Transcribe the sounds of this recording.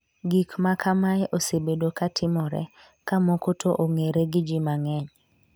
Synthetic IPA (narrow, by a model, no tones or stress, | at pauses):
ɡikmakamajʔosebedokatʰɪmɔɾɛ̰ | kamokotʰoʔoŋeɾeɡɪd͡ʒɪmaŋɛɲ